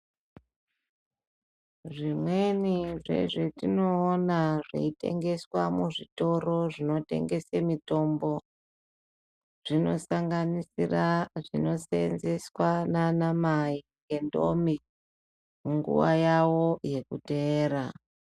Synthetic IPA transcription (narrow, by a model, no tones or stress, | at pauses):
ʐimwe̞niʐe̞̰ʐetino̞ːnaʐḛite̞̰ŋɡe̞swamuʐito̞roʐino̞te̞̰ŋɡe̞semito̞mbo̞ | ʐ̥ino̞saŋɡanisiraʐino̞senze̞swananamai | ke̞ndo̰mi | muŋɡṵʋa̰jawo̞je̞kuteːɾa